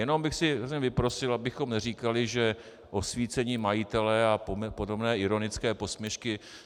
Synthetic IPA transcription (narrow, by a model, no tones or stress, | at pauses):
jɛno̞mbɪxsɪɾozɲɛvɪpɾo̞sɪlabɪxo̞mnɛriːkalɪʒɛ | ʔo̞sviːt͡sɛɲiːmajɪt̪ɛlɛapopodo̞bnɛːɪɾo̞nɪt͡skɛːposmjɛʃkɪ